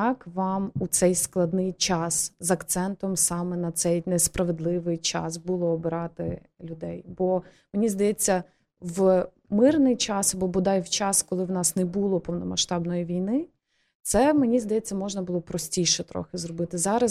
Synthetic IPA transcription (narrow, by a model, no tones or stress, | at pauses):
ɑkʋɑmut̪sɛjsklˠɐd̪nɪjt͡ʃɑszɐkt̪sɛnt̪ɔmsɑmɛnɐt̪sɛjnɛspɾɐʋed̪lˠɪʋɪjt͡ʃɑ̰sbulˠɔːbɪɾɑt̪ɪ̰ | lʲʊd̪ɛjbɔ | menʲizd̪ɐjɛt͡sʲːɐ | ʋ | mɪrnɪjt͡ʃɑsɐbɔbʊd̪ɑjwt͡ʃɑskɔlˠɪwnɑsnɛbulˠɔpɔwnɔmɐʃt̪ɑbnɔjiʋʲijnɪ | t̪sɛmenʲizd̪ɐjɛt͡sʲːɐmɔʒnɐbʊlˠɔpɾɔsʲtʲijʃɛt̪ɾɔ̰xɪzɾɔbɪt̪ɪzɑɾɐ